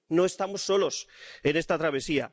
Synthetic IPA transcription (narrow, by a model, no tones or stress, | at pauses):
no̞e̞st̪amosːo̞lo̞se̞ne̞st̪at̪ɾaβ̞e̞sia̰